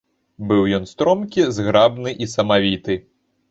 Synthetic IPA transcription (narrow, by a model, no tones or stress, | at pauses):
bɨwjɔnst̪ɾɔmkʲizɣɾabnɨʔisɐmavʲit̪ɨ